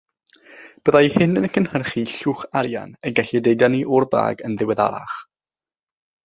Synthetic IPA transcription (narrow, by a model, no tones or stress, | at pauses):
b̥əðajhɪnənəkʰənhərχiɬuːχaɾja̰nɛɡɛɬidejdjaniʔʊrba̰ːɡənðɪwɛða̰ɾa̰χ